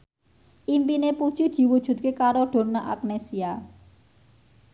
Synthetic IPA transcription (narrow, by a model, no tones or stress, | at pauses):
ʔimpinepud̥ʒ̥i̤d̪̥i̤wud̥ʒ̥ṳt̪̚kekaɾoɖ̥o̤naʔa̰k̚nesia